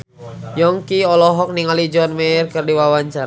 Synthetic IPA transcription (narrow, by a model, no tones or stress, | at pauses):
jɔŋkiɔlɔɦɔk̚niŋalid͡ʒɔnmɛrkɨrdiwawaɲt͡ʃaɾ